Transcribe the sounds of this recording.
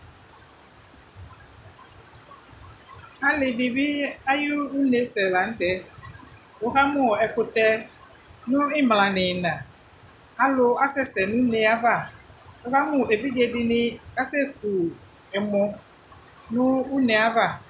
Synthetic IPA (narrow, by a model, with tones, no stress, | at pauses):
a˦lɪ˨dɪ˨bɪ˦a˦jʊ˦ʊ˦ne˨sɛ˨la˨˦n̩˦tɛ˦ | o˦ɦa˦mʊ̃˨ɛ˨kʊ˨tɛ˦ | nʊ̃˦ɪ˦mlã˨nɪ̃˨nã˨ | a˦lʊ˦a˦sɛ˦sɛ˨nʊ̃˦ne˨a˦va˨o˦ha˦mʊ̃˨e˨vi˦dɪ˨ɛ˨dɪ˦nɪ̃˦ | a˦sɛ˦k̚ʰu˨ | ɛ˨mɔ̃˨˦ | nʊ̃˦ʊ˦nɛ˨a˦va˦˨